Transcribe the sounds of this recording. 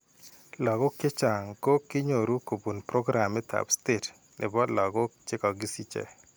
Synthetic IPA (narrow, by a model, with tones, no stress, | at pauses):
lɔ˨ɡɔ˦kɪ˦t͡ʃa˨ŋko˦kɪ˦ɲo˨ɾu˦ko˨bu˨npɾɔ˦ɡɾʔa˨mɪ˦tʰa̰˨bste˨t | nʔɪ̰˨bɔ˦dlɔ˨ɡɔ˦t͡ʃɪ˦kɔ˨ɡɪ˦si˦t͡ʃɛ̰˨